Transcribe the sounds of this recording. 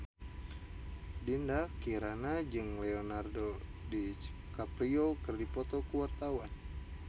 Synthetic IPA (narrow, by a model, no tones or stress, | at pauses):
dindakiɾanad͡ʒɨŋlɛonardodit͡ʃ | kapɾiokɨrdipɔt̪ɔkuwart̪awan